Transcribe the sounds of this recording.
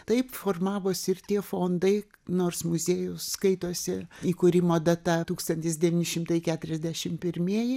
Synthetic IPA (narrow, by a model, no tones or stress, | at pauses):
t̪ɐɪpfoːrmɑːʋoːsʲɪɪrt̪ʲiɛfoːnd̪ɐɪ | noːrsmʊzʲeːjʊsskɐɪt̪oːsʲɪiːkʊɾʲɪmoːd̪ɐt̪ɐt̪uːkst̪ɐnʲt̪ʲɪsd̪ʲɛʋʲiːnʲɪʃʲɪmt̪ɐɪkʲæːt̪ʊɾʲɛzʲd̪ʲæʃʲɪmpʲɪɾʲmʲiɛjɪ